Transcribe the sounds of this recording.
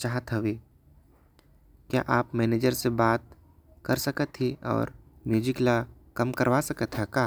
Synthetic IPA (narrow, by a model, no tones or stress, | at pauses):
t͡ʃaːɦət̪ɦɐʋeː | kja̰ʔaːpmɛːneːd͡ʒəɾsebaːt̪̚ | kɐɾsɐkət̪ɦiɔ̰ːɾmjuːd͡ʒɪklakɐmkɐɾʋasɐkət̪ɦɛkaː